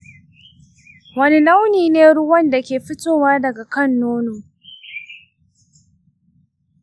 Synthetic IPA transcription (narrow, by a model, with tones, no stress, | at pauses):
wɐ˦ni˦na˦wniː˨neː˦ɽʊ˦wɐ˦nda˨kʲeː˨ɸɪ˦tʼoː˦waː˦dɐ˨ɡa˨kɐ˦˨nːoː˦noː˨